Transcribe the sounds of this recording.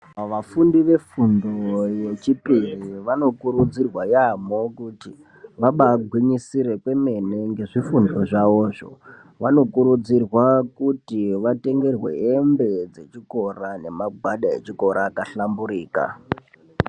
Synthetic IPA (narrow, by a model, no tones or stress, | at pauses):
ʋafundiʋe̞fundoje̞t͡ʃipiriʋano̞kuɾud͡zirwajamo̞kuti | ʋaɓaɡʱwiɲisiɾe̞kwe̞me̞ne̞ŋɡe̞ʐifundo̞ʐaʋo̞ːʐo̞̰ | ʋano̞kuɾud͡zirwakutiʋate̞ŋɡe̞rwḛembe̞d͡ze̞t͡ʃiko̞rane̞maɡʱwaɗae̞̰t͡ʃiko̞ɾʔaːkaɬambuɾiːka̰